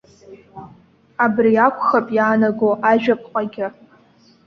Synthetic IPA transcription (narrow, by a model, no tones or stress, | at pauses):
abriakʷʰʼχapʼjaːnaɡoʔaʒᶣapʼqʼaɡʲɪ